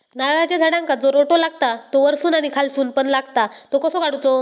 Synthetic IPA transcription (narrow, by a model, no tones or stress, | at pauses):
naɭat͡ɕad͡zʱaɽãŋkad͡zoɾoʈolaɡt̪at̪oʋəɾsuːnaɽ̃ikʰalsuːnpəɳlaɡt̪at̪okəsokaɽut͡so